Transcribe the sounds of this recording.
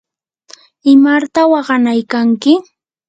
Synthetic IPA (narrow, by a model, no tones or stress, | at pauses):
ɪmaɾt̪awɑɢɑnajkaŋkɪ